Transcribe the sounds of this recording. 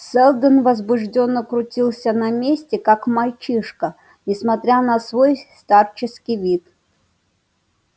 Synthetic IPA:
sɛlˠd̪ənvɐzbʊʐdʲo̞nːəkɾʊtʲilˠsʲənɐmʲesʲtʲɪkakmɐlʲt͡ɕiʂkə | nʲɪsmɐt̪ɾʲanɐsvo̞jst̪art͡ɕɪskʲijvʲit̪

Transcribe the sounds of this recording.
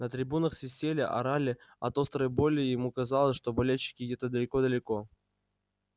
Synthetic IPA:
nət̪ɾʲɪbunəxsʲɪsʲtʲelʲəʔɐ̰ɾalʲɪɐ̰t̪o̞st̪ɾəjbo̞lʲɪjɪmukɐzalˠəsʲʂt̪o̞bɐlʲelʲɕːɪ̥kʲɪdʲet̪əd̪əlʲɪko̞d̪əlʲɪko̞

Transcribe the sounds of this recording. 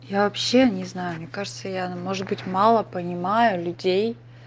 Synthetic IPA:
javɐpɕːenʲɪznajʊmnʲe̞kaʐɨt̪səjamo̞ʐɨt̪̚bɨtʲmalˠəpənʲɪmajʊlʲʊdʲej

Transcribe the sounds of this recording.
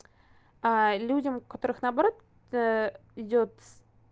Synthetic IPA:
alʲudʲəmkɐt̪o̞ɾɨxnɐːbɐɾo̞t̪ | ɪdʲo̞t̪

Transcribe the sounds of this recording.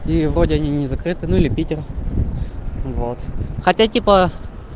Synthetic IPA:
ivɾo̞dʲɪɐnʲinʲɪzɐkɾɨt̪ɨnuilʲɪpʲitʲɪr | vot̪xɐtʲatʲipə

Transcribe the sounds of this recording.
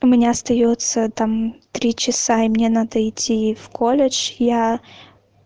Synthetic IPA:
ʊmʲɪnʲaɐst̪ɐjot̪sət̪amt̪ɾʲit͡ɕɪsaɪmnʲe̞nad̪əɪtʲʰːifkʰolʲɪt͡ʃja

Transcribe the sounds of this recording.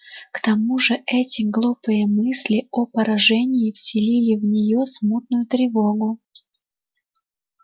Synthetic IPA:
kt̪ɐmuʐɨʔɛtʲɪɡlˠupɨjəmɨsʲlʲɪopəɾɐʐɛnʲɪɪfsʲɪlʲilʲɪvnʲɪjosmut̪̚nʊjʊt̪ɾʲɪvo̞ɡʊ

